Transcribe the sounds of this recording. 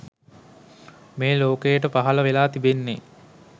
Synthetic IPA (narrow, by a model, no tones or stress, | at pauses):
meːloːkejəʈəpaɦɐləʋelaːt̪ibenːe